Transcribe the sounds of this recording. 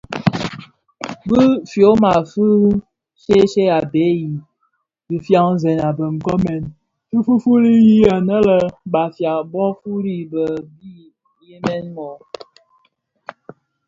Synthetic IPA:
bɨ˦fjo˨˦ma˨fu˦ | ʃe˦ʃe˦a˨be˨˦ji˨ | bi˨fja˦ŋ˦zɛ˨na˨bə˨ŋ̩˨kɔ˦mɛ˨n | fɨ˦fu˦fu˦ɾi˦ji˦a˨nə˦lə˦˨ba˨fja˨bɔ˦fu˦ɾi˦bə˨bi˦ | je˦mɛ˦nmɔ˨

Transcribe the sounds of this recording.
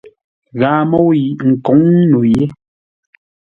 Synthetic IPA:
ɣaː˨˦mɔ˦wji˨ʔŋ̩˨kɔ˨˦ŋ˦nu˨je˦

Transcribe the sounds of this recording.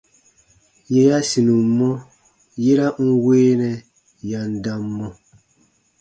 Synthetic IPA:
jɛ˨ja˦si˨nu˨mːɔ˦ | je˦ɾa˦ŋ̩˦weː˦nɛ˨ | ja˨n˦da˦mːɔ˦

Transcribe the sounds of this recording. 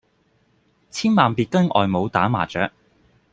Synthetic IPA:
t͡sʰiː˥nmaː˨npiː˨˧t̚kɐ˥nʔɔ̰ː˨jmo˨˧wt̪aː˨˥ma̰ː˨˩t͡ʃœ̰ː˨˥k̚

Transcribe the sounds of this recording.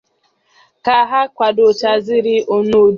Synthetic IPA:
ka˦ɦa˦kʷa˨do˨t͡ʃa˨zi˦ɾi˦ʔo˨no˦˨

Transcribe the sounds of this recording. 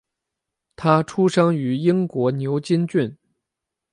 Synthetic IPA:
t̪ʰa˥ʈ͡ʂʰu˥ʂɑ˥ŋy˧˥i˥ŋkwɔ˧˥njo˧˥ʊt͡ɕi˥nt͡ɕy˥˩n

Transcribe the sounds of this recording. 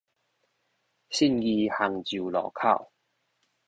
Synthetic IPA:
ɕi˥˧˨nji˧ha˨˩ŋt͡ɕi˨wlɔ̰ː˨˩kʰa̰˥˩˨w

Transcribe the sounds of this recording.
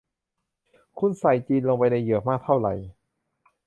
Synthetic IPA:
kʰu˧˥nsa˨˩jt͡ɕiː˧nloː˧ŋpa˧jda˧jːɯ˨˩˦k̚maː˥˩k̚t̪ʰa˥˩wɾa̰˨˩j

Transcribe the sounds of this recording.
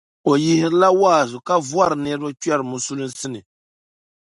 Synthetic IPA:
o˨ji˦hɪ˦ɾɨ˦la˦waː˦˨zʊ˨ka˦vwa˦ɾɨ˨nɛ˦ɾɨ˦ba˦t͡ʃɥɛ˦ɾɨ˨mʊ˨su˦lɨ˦n˦sɨ˦nɨ˨

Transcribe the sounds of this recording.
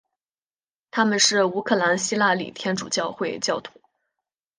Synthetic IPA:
t̪ʰa˥mə˨nʂɻ̩˥˩u˧˥kʰɤ˥˩la˧˥nɕi˥la˥˩lḭ˨˩t̪ʰjɛ˥nʈ͡ʂṵ˨˩t͡ɕjɑ˥˧ʊxwe˥˧ɪt͡ɕjɑ˥˩ʊt̪ʰu̥˧˩˦

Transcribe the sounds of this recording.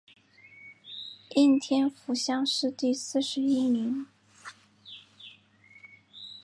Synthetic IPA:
i˥˩nt̪ʰjɛ˥nfu˧˥ɕjɑ˥ŋʂɻ̩˥˧t̪i˥˧sɹ̩˥˩ʂɻ̩˧˥i˥mi˧˥n

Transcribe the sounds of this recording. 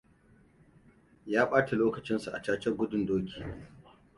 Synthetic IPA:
jaː˦ɓaː˦ta˨loː˦kɐ˨t͡ʃɪ˦nsu˨ʔa̰˨t͡ʃaː˦t͡ʃɐ˦rɡʷʊ˦dʊ˨ndoː˦kʲi̥ː˨

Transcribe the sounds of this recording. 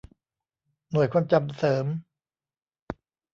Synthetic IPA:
nu˨˩əjkʰaː˧mt͡ɕa˧msɤː˩˦m

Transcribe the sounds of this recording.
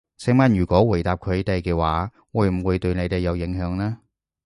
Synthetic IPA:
sɪ˨˧˥ŋmɐ˨˩njyː˨˩kʷɔː˨˥wu˨˩jt̪aː˨p̚kʰɵ˨˧ɥt̪e˨˧jkɛː˧waː˨˥ | wuː˨˧˩jm̩˨˩wuː˨˧jt̪ɵ˧ɥne˨˧jt̪e˨jːɐ˨˧wjɪ˨˥ŋɦœː˨˧˥ŋlɛː˥

